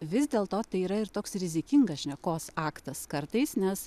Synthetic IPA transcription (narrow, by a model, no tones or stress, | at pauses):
ʋʲɪzd̪ʲeːlˠt̪oːt̪ɐɪiːɾɐɪɾt̪oːksɾʲɪzʲɪkʲɪŋɡɐsʒʲnʲɛkoːsɑːkt̪ɐskɐɾt̪ɐɪsnʲɛs